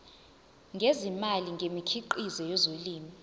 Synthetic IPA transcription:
ŋɡʱezimaliŋɡʱemikʰiǃizɛjɔzoliːmi

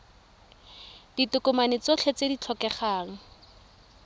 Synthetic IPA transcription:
d̥itʊkʊmanet͡sɔt͡ɬʰet͡sedit͡ɬʰɔkɛχaːŋ̩

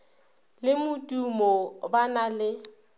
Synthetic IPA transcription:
lɪmʊtʼumɔbanalɪ

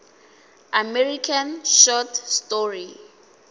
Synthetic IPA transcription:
amɛɹikʰãnʃɔtstɔɹi

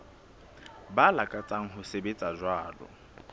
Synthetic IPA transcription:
balakʼat͡sʼaŋ̩ɦʊsebet͡sʼad͡ʒwaːlʊ̰

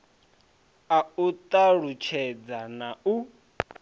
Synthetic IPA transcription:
aut̪ʼaɺut͡ʃʰɛd͡zanau

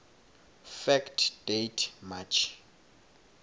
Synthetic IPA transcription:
fɛktd̥ejtʰmat͡ʃʰ

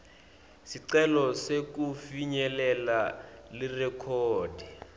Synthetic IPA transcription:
siǀɛlɔsek̬ufiɲɛlɛlalɪrɛkʰɔːd̥ʱɛ

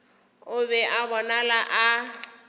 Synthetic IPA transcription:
ʊbɛʔabɔnalaʔa

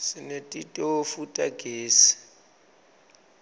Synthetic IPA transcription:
sɪnetʼitʼefutʼaɡ̥ʱeːsi̥

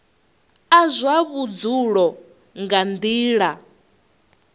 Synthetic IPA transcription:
azʷaβud͡zuɺɔ | ŋɡand̪iːɺa

